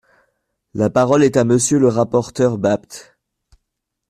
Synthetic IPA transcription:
lapaʁɔlɛt̪aməsjøləʁapɔʁt̪œʁbap̚t̪

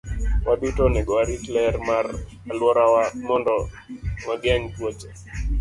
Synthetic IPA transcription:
waditonɛɡɔaɾiklɛrmar | alwɔɾawamɔndɔ | maɡjaŋtwot͡ʃɛ

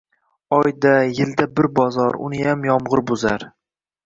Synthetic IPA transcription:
ɒjd̪ajɪld̪abɪɾbɒzɒɾʊ̰nɪjamjɒmʁɨɾbʊzaɾ

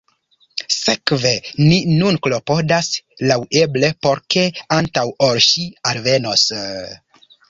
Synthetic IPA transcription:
sekve̞ninunklo̞po̞daslawe̞ble̞po̞ɾke̞antawʔoɾʃialve̞no̞s

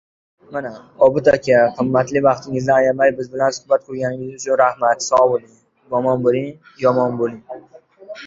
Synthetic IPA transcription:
manaɒbɪt̪ʰakʲʰaqʰɨmːat̪lɪvɑqt̪ʰɪŋɪzd̪aːjamajbɪzbɪlansʊ̥hbat̪̚kʰɵɾɡʲanɪŋʲɪzʊt͡ʃʰʊnɾahmat̪sɒbolˠɪŋ | jɒmɒnbolˠɪŋ | jɒmɒnbolˠɪŋ

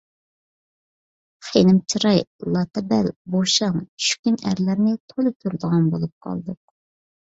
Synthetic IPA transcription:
χenɪmt͡ʃʰiɾɑjlˠɑt̪ɛbælboʃɑŋt͡ʃʰy̥ʃkʲynæ̰ɾlæɾnɪt̪ʰolˠɨt̪ʲʰyɾd̪əʁɑnbolˠup̚qʰɑ̰lˠd̪ɨ

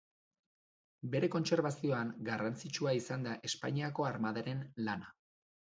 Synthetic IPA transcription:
be̞ɾe̞ko̞nse̞ɾβasio̞aŋɡarant͡sit͡ʃuaisand̪aʔe̞spaɲiako̞aɾmaðaɾe̞nlana

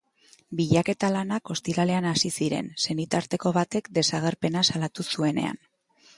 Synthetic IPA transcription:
biʎake̞t̪alanako̞st̪iɾale̞anasisiɾe̞̰nse̞nit̪aɾt̪e̞ko̞βat̪e̞kd̪e̞saɣ̞e̞ɾpe̞nasalat̪usue̞ne̞̰a̰n

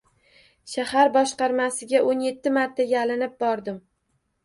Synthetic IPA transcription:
ʃahaɾbɒʃqɑɾmasɪɡʲaʔonje̞t̪ʰːɪmaɾt̪ʰːaɡʲalɪnɪp̚bɒɾd̪ɪm

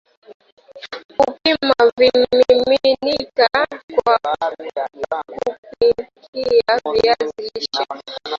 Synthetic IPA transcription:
upimavimiminikakwa | kup̚ikiaviaziʃa

